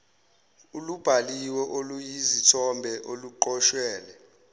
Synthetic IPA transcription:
ulub̥ʱaliwɛʔolujizitʰɔmbʱɛʔoluǃɔʃwɛːlɛ

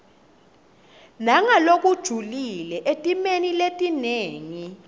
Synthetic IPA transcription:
naŋalok̬ʼud̥ʒ̥ʱulilɛʔetʼimeniletʼineːŋi

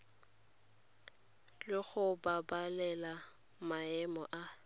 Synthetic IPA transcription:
lɪɣʊbabalɛla | maɛmɔʔa

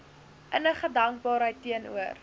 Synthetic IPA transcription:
ʔənəχədɐŋk̚bɑːɾɦəjtːiənṵər

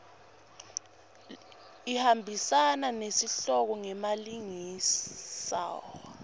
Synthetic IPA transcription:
ihambʱisananesiɬɔk̬ɔŋɛmaliŋi | sa̰ːwɔ

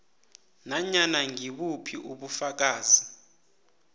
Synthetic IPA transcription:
naɲanaŋiɓupʰiʔuɓufak̬aːzi

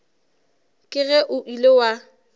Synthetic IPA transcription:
kʼɪɣɛʔʊʔilewa

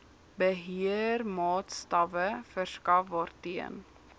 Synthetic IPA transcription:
bəɦøːɾmɑːt̪st̪ɑvəfœɾskɑʋɔɾt̪iə̰n

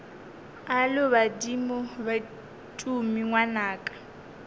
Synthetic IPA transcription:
alʊβadimʊba | tʼumiŋwanaːkʼḁ

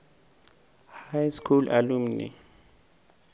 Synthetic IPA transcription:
hajskʰulalumnḭ

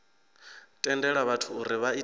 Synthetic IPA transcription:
tʼɛndɛɺaβatʰuːɾiβai

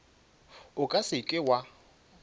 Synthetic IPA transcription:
ʊkʼasɪkʼɪwa

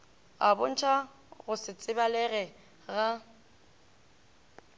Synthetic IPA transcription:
abʊn̩t͡ʃʰa | ɣʊsɪt͡sʼɪbalɛɣɛ | ɣa

